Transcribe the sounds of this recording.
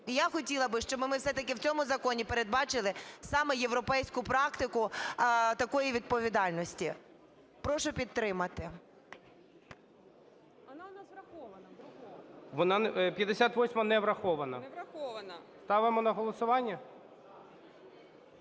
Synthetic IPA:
ijaxɔtʲilˠɐbɪʃt͡ʃɔbmɪmɪwsɛt̪ɐkɪwt͡sʲɔmʊzɐkɔnʲipeɾe̞d̪̚bɑt͡ʃɪlˠɪsɑmɛjeʋɾɔpɛjsʲkʊpɾɑkt̪ɪkʊ | t̪ɐkɔjiʋʲid̪̚pɔʋʲid̪ɑlʲnɔsʲtʲi | pɾɔʃɔpʲit̪̚t̪ːɾɪmɐt̪ɪ | nnaɾɐxɔʋɐnɐ | ʋɔnɑpʲjɐd̪esʲat̪ʋɔsʲmɐnɛʋɾɐxɔʋɐnɐɐɔʋɐnɐst̪ɑʋɪmɔnɐɦɔlˠɔsʊʋɑnʲːɐ

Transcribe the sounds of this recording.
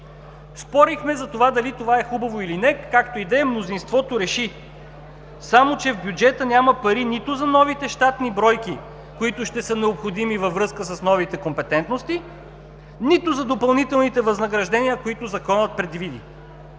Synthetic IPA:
spɔɾixmɛzɐt̪ovad̪ɐlit̪ovaɛxubɐvoilinɛkakt̪oid̪ɛmnozinst̪vɔt̪oɾɛʃi | samot͡ʃɛvbjud͡ʒɛt̪ənʲaməpɐɾinit̪ʊzɐnɔvit̪ɛʃt̪at̪nibɾɔjki | koit̪ʊʃt̪ɛsənɛopxod̪imivəvɾɤskəsəsnɔvit̪ɛkompɛt̪ɛnt̪nost̪i | nit̪ʊzɐd̪opɐlˠnit̪ɛlˠnit̪ɛvɐznɐɡɾɐʒd̪ɛnʲiəkoit̪ʊzɐkɔnət̪̚pɾɛd̪vid̪ḭ

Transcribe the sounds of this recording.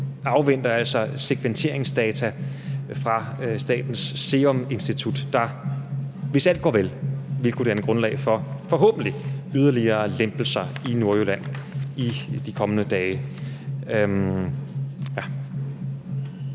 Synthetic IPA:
ɑ̈ʊʋen̰d̥ɐæl̰sɒ̽seɡ̥ʰʋent͡sʰe̝ɐ̰e̝ŋsd̥ɛːt͡sʰæfʁɑ̈sd̥ɛ̰ːd̥n̩sːe̝ːɒme̝nsd̥it͡sʰud̥ːɑ̈ | ʋe̝sæl̰d̥ɡ̥ɒ̰ːʋelʋelkʰud̥eænəɡ̥ʁɔ̽nlɛ̰ɪfɒ̽fɒ̽ɦɔ̰ːb̥n̩dliyð̞ˠɐliɐːlemb̥l̩sɐino̝ɐølæn̰id̥ikʰɒ̽mənəd̥ɛːɪ | ø | jæ

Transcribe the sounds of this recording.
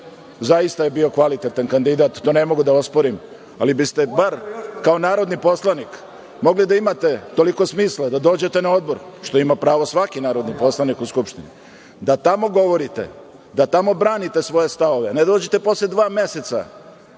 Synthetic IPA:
zaist̪ajebio̞kʋalit̪et̪ankand̪id̪aːt̪t̪ːone̞mo̞ɡud̪aospo̞ɾim | a̰libist̪e̞baɾkao̞naːɾo̞d̪nipo̞slˠanik | mo̞ɡlid̪aimat̪e̞t̪o̞liko̞smiːslˠad̪ad̪o̞ːd͡ʑe̞t̪e̞nao̞d̪bo̞ɾʃt̪o̞imapɾaːʋosʋakinaːɾo̞d̪nipo̞slˠanikuskupʃt̪inḭ | d̪at̪amo̞ɡo̞ʋo̞ɾit̪e̞̰ | d̪at̪amo̞bɾaːnit̪e̞sʋo̞je̞st̪aʋo̞ʋe̞ned̪oːd͡ʑet̪e̞po̞sled̪ʋaːme̞se̞t̪sa̰

